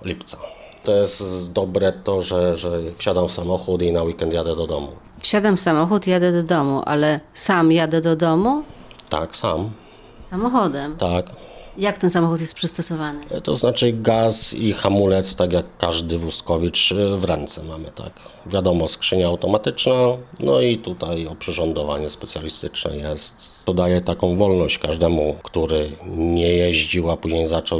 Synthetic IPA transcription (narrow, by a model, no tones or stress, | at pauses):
lʲipt̪sa | t̪ɔjɛst̪d̪ɔbɾɛt̪ɔʐɛʐɛfɕad̪amfsamɔxut̪inawikɛnt̪jad̪ɛd̪ɔd̪ɔmṵ | fɕad̪amfsamɔxut̪ijad̪ɛd̪ɔd̪ɔmuʔa̰lɛsamjad̪ɛd̪ɔd̪ɔmu | t̪a̰ksa̰m | samɔxɔd̪ɛmt̪akjak̚t̪ɛnsamɔxut̪̬jɛst̪pʂɘst̪ɔsɔvanɘt̪ɔznat͡ʂɘɡasixamulɛt̪st̪akjakːaʐd̪ɘvuskɔvʲit͡ʂvɾɛnt̪sɛmamɘ̰t̪a̰kvʲjad̪ɔmɔskʂɘɲaːwt̪ɔmat̪ɘt͡ʂnanɔit̪ut̪ajɔpʂɘʐɔnd̪ɔvaɲɛspɛt̪sʲjalʲist̪ɘt͡ʂnɛ̰jɛst̪ | ɔd̪ajɛt̪akɔ̃w̃vɔlnɔɕt͡ɕkaʐd̪ɛmukt̪uɾɘɲɛjɛʑd͡ʑiwapuʑɲejzat͡ʂɔw